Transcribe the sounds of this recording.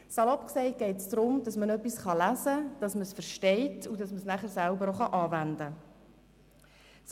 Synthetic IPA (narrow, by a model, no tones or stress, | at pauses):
sɑlɔpksɛɪɡ̥ɛjtsd̥ɾʊmd̥ɑsmənœpːisχɑlæzəd̥ɑsməsfəɾʃtɛɪtʰudɑsməsnæχəɾsælbəɾoχɑʔɑːvændə | s